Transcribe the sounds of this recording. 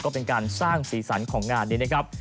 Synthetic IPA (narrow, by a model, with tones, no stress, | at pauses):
kɔː˥˩pe˧nkaː˧nsaː˥˩ŋsiː˩˦sa˩˦nkʰɔː˩˦ŋːaː˧nːiː˦˥˩na˦˥kʰɾa˦˥p̚